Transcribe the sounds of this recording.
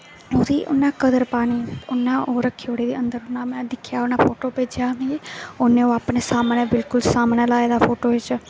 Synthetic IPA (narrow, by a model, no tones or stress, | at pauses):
oːd̪iːʔʊ̰nːãːkəd̪əɾpaːniʊnːãːʔoːɾəkʰːoːɽeːd̪eːənd̪əɾʊnːãːmẽːd̪ɪkʰːjaːonãːpʰoːʈoːpeːd͡ʒjaːmẽonẽːoːaːpneːsaːmneːbɪlkʊlsaːmneːlaːed̪aːpʰoːʈoːɪt͡ʃ